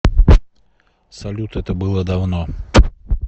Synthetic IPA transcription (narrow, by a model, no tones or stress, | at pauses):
sɐlʲut̪ɛt̪əbɨlˠəd̪ɐvno